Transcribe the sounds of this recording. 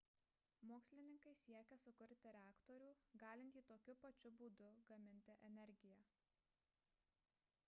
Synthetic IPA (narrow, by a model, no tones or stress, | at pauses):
moːksʲlʲɪnʲɪŋkɐɪsʲiɛkʲɛsʊkʊɾʲt̪ʲɪɾʲæːkt̪ɔɾʲuːɡɑːlʲɪnʲt̪ʲiːt̪oːkʲʊpɐt͡ʃʲʊbuːd̪ʊɡɐmʲɪnʲt̪ʲɪʔɛnʲɛɾʲɡʲɪjɛ